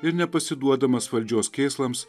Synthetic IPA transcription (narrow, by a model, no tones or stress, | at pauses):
ɪɾnʲɛpɐsʲɪd̪uɔd̪ɐmɐsʋɐlʲd͡ʒʲoːskʲeːslˠɐms